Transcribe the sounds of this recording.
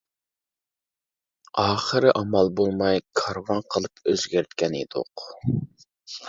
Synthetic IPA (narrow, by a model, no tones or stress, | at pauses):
ɑːχəɾɨʔɑmɑlˠbolˠmɑjkʰɑɾvɑnqʰəlˠɨpøzɡʲeɾt̪̚kʲɛned̪ʊ̰q